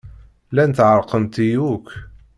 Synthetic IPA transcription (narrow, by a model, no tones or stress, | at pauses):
lænt̪ʕəɾˤqənt̪ijuk